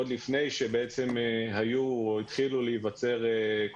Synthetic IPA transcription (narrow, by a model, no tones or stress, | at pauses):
d̪lifne̞jʃe̞beet͡se̞mɦajuoit̪χilulejivat͡se̞ʁek